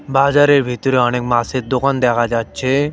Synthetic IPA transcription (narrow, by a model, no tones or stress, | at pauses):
baːzaɾeɾbʱit̪ɾeənek̚maset̪̚d̪okand̪ɛkʰad͡ʒad̪̚t͡ʃʰe